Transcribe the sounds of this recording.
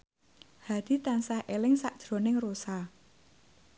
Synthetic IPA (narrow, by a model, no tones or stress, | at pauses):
had̪̥i̤t̪ansahʔelɪŋsaʔd̥ʒ̥ɾo̤nɪŋrosa